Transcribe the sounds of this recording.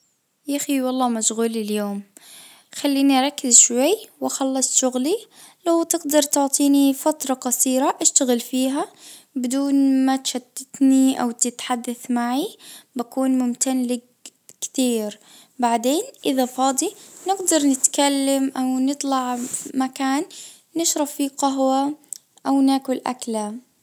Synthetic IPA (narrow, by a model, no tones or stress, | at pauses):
jaxiwɑlˤːɑːmaʃɣuːlɪljoːm | xalːiːniʔɾˤɑkːɪzʃwajːwaxɑlːɑsˤʃʊɣli | lawt̪ɪɡd̪ɑɾˤt̪ʊʕt̪ˤiːnifat̪ɾˤɑqɑsˤiːɾaʔaʃt̪aɣɪlfiːɦa | bɪd̪uːnmat̪ʃad̪̥ɪt̪niʔa̰wt̪ɪt̪ħad̪ːaθmaʕibakuːnmʊmt̪anlɪɡ̚ | kt̪iːɾ | baʕd̪eːnʔɪðafɑːd̪ˤinɪɡd̪ɑɾˤnɪt̪kalːamʔawnɨt̪ˤlɑʕmakaːnː | ɪʃɾˤɑfːiqɑɦwa | ʔawnaːkʊlʔa̰kla